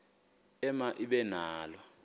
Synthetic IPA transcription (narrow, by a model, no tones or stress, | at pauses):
ɛmaʔiɓɛnaːlɔ